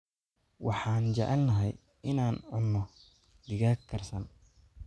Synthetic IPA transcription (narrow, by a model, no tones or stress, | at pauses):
wɑħɑːnt͡ʃɛ̰ʕɛlnɐɦɛj | ʔɪnaːnʕʊnːɔ | d̪ɪɣaːkkʰːɐrsɐn